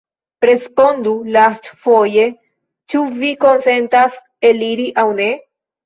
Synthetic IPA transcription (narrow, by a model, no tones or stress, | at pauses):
pɾe̞spo̞ndulastfo̞je̞ | t͡ʃuviko̞nse̞ntas | e̞liɾiʔawne̞